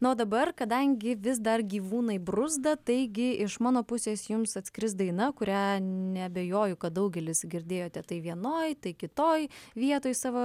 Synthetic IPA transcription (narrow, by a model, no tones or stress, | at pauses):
noːd̪ɐbɐrkɐd̪ɐŋʲɡʲɪʋʲɪs̬d̪ɐrɡʲiːʋuːnɐɪbɾʊzd̪ɐt̪ɐɪɡʲɪʔɪʃmɑːnoːpʊsʲeːsjʊmsɐt̪ʲskʲɪɾʲɪsd̪ɐɪnɐkʊɾʲænʲɛɐbʲejoːjʊkɐt̪̚d̪ɐʊɡʲɛlʲɪsɡʲɪɾʲd̪ʲeːjoːt̪ʲɛt̪ɐɪʋʲiɛnoːjt̪ɐɪkʲɪt̪oːjʋʲiɛt̪oːjsɑːʋoː